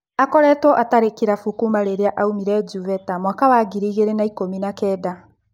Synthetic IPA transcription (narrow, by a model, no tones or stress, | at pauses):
akɔɾɛtwɔʔataɾekiɾafukumaɾeɾeaʔaumiɾɛd͡ʒuvɛtamwakawaːɡiɾiːɣeɾenaikominakɛːda